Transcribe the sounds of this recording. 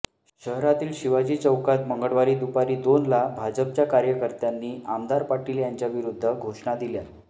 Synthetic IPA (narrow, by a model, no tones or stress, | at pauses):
ɕəɦɾat̪iːlɕiʋad͡ʑiːt͡səwkat̪məŋɡəɽʋaɾiːd̪upaɾiːd̪onlabʱad͡ʑəp̚t͡ɕjakaɾjəkəɾt̪janːiːamd̪aɾpaʈiːljaɲt͡ɕjaʋiɾud̪ʱːəɡʱoʂɳad̪ilja